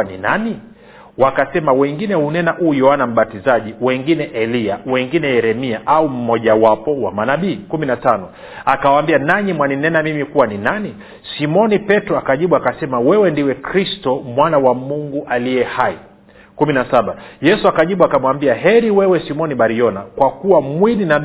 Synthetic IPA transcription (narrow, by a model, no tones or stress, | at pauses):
ninani | wakasɛmawɛŋɡinɛhunɛnaʔuːjɔanam̩ɓatizaʄiwɛŋɡinɛʔɛliawɛŋɡinɛjɛɾɛmiaʔaum̩mɔʄawapɔwa̰manaɓiːkuminatanɔ | akawaːmbianaɲimwaninɛnamimikuwaninani | simɔnipɛtɾɔakaʄiɓuakasɛmawɛwɛndiwɛkɾistɔmwanawamuŋɡuʔaliɛhai | kuminasaɓajɛsuakaʄiɓuakamwambiaɦɛɾiwɛwɛsimɔniɓaɾiɔnakwakuwamwinina